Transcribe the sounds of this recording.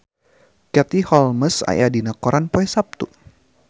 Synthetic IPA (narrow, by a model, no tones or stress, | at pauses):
kɛt̪ihɔlməsa̰jadinakɔɾʔanpɔɛsap̚t̪u